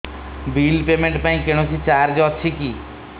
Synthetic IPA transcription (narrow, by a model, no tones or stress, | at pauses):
bilpemeɳʈpaĩkeɽ̃osʰit͡ʃaɾd͡ʒɔt͡ʃʰiki